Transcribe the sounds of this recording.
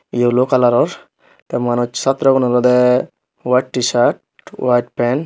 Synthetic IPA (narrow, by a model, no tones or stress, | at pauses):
ijolokalaɾɔɾ | t̪ɛmanut͡ʃsat̪ɾɔɡɔnɔɾɔd̪ɛ | waʈːisaɾʈ̚ | wajʈ̚pɛn